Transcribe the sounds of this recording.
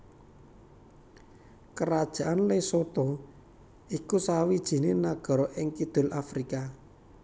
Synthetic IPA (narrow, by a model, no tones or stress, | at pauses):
kəɾad̥ʒ̥a̤ʔanlesot̪ɔ | ikusawid̥ʒ̥i̤nenaɡ̥ɔ̤ɾɔʔɪŋkid̪̥ʊ̤lʔafɾika